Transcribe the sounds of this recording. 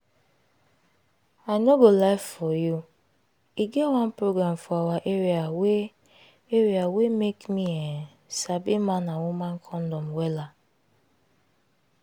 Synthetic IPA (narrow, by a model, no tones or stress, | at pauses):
aɪnoɡolaɪffɔju | iɡɛtwãnpɹoɡɹãmfɔawaʔeɹiawe | eɹiawemekmiɛ | sabimãnãwumãnkʰɔ̃ndɔmwɛla